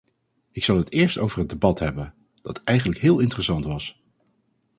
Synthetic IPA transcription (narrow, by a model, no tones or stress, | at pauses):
ɪksɑlˠɦətɪːɹsto̰wvərɦədebɑtɦɛbən | d̥ɑtɛjχənləkɦɪːlˠɪntərəsɑntʋɑs